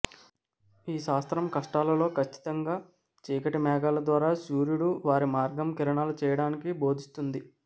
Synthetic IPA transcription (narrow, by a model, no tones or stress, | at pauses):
iːʃaːst̪ɾɐmkɐʂʈaːlɐlo̞ːkʰɐt͡ʃːi̥t̪ɐŋɡaː | t͡ʃiːkɐʈimɛːɡaːlɐd̪ʋaːɾaːsuːɾjuɽuʋaːɾimaːɾɡɐmkiɾɐɳaːlut͡ʃɛːjɐɽaːnikibo̞ːd̪ʱist̪und̪i